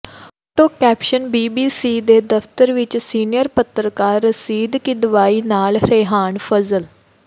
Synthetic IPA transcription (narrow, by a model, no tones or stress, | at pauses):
oʈoːkɛːpʃənbiːbiːsiːd̪eːd̪əft̪əɾʋɪt͡ʃsiːnɪjəɾpət̪ɾkaːɾːəsiːd̪kɪd̪ʋaːiːnaːlɾeːɦaːɳpʰəzəl